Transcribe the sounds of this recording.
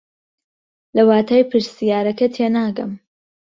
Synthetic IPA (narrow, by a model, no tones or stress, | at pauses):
lɐwaːt̪ʰaːjpʰɨɾsijaːɾɐkɐt̪ʰeːnaːɡɐm